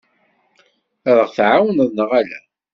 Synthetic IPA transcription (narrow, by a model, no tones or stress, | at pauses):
æðəʁθʕawənðnəʁælæ̰